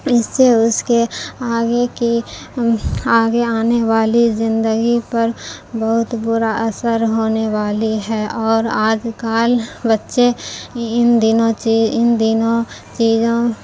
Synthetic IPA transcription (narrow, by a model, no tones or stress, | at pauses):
ɪsːeʊskeaːɡeki | aːɡeaːneʋaːlizɪ̃nd̪əɡipɐɾbəɦʊt̪bʊɾaʔɐsəɾɦoːneʋaːliɦɛːʔɔːɾaːd͡ʒkaːlbətːʃeɪnd̪ɪnõt͡ʃiɪnd̪ɪnõt͡ʃiːzõ